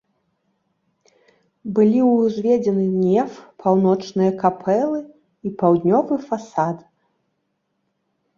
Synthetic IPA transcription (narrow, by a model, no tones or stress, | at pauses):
bɨlʲiwzʲvʲɛd͡zʲɛnɨnʲɛfpʰawn̪ɔt͡ʂnɨjɐkapʰɛlˠɨ | ipawd̪ʲnʲɔvɨfasad̪